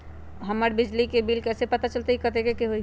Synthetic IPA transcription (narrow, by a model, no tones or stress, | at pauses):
ɦəməɾbɪd͡ʒlikebilkɛsepət̪at͡ʃəlt̪eɦikət̪ekekeɦoi